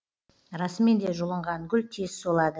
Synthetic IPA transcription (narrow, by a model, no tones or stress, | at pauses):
ɾɑsəmend̪e̞ʒʊlˠəɴʁɑŋɡʲʏlʲt̪ʰezsolˠɑd̪ə